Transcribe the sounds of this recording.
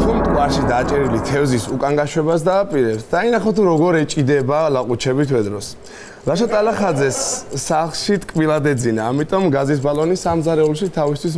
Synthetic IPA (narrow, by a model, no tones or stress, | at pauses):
t̪ʰumt̪ʼuaɾʃid̪at͡ʃʼɛɾilit̪ʰɛvzisukʼaŋɡaʃwɛbasd̪aːpʼiɾɛpt̪ʰd̪̥ainaχɔt̪ʰuɾɔɡɔɾɛt͡ʃʼid̪ɛbalaqʼut͡ʃʰɛbit̪ʰwɛd̪ɾɔs | ɾaʃɔt̪ʼalaχad̪zɛsːaχlʃit̪ʼkʼbilˠad̪ɛd̪zinaːmit̪ʼɔmɡazis̬balɔnisːamzaɾɛulˠʃit̪ʰavist̪ʰwis